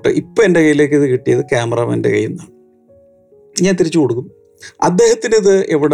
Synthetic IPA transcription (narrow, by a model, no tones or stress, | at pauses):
ʈːɨ̰ʔipːoːendekɐjːile̞ːkːiðɨkiʈːijɐðɨkaːmɐrɐmendḛkɐ̰jːunːɐ | ɲaːnt̪iɾit͡ɕːɨkoɽukːum | ɐd̪ːe̞ːhɐt̪ːiniðɨʔeʋiɽe